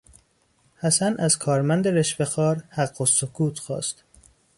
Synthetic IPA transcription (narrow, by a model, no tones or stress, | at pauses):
hæsænʔæzkʰɒːɾmænd̪eɾe̞ʃvexɒːɾhæɢːosokʰuːt̪ʰxɒ̰ːst̪